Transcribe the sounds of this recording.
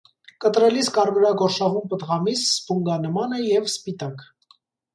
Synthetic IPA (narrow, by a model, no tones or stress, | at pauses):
kət̪ɾɛliskɑrvəɾɑɡɔɾʃɑʁumpət̪ʁɑmisspuŋɡɑnəmɑnəjɛvspit̪ɑk